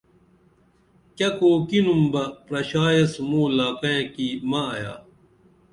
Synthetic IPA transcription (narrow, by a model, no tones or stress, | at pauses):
kɐkoːkinumbɐpɾɐɕaːjɐsmuːlaːkɐjẽkimɐja̰ː